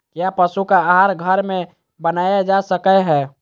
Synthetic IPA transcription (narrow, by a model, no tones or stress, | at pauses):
kjapəsukaːɦaɾɡʱəɾmẽ | bənajad͡ʒasəkɛɦɛː